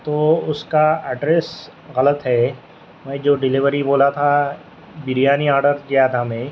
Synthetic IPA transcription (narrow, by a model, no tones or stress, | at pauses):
t̪oːʊskaɛːɖɾeːs | ɣɐlət̪ɦɛː | mɛ̃ːd͡ʒoːɖɪlɪʋəɾiboːlat̪ʰa | bɪɾijaːniaːɾɖəɾkeaːd̪amẽː